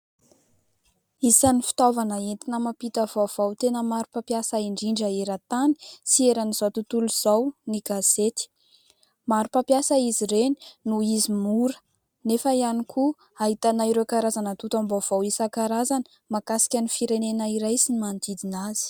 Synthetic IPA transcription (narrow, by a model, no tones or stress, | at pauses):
isanifi̥t̪ovanəent̪inəmapit̪əv̥ov̥awt̪enəmaɾupapjasəiɳɖ͡ʐiɳɖ͡ʐəeɾat̪ani̥sieɾaniz̥awt̪ut̪uluz̥awniɡaz̥et̪i̥ | maɾupapjasəiziɾeni̥nuizimuɾə̥ | nefəianikʰu | aɦit̪anaiɾewkaɾazanət̪ut̪ambov̥owisakaɾazanə̥ | makasi̥kʲənifiɾenenaiɾajsinimant̪id̪inaz̥i̥